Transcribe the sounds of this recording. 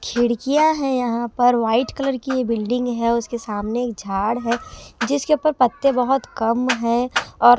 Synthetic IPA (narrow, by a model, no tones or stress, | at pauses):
kʰɪɽkijaɦɛjɐɦãpɐɾʋaːɪʈkɐləɾkiebɪlɖɪ̃ŋɡɦɛʊskesaːmneːk̚d͡ʒʱaːɽɦɛd͡ʒɪskeʊpəɾpɐt̪ːẽbɐɦʊt̪kɐmɦɛ̃ɔːɾ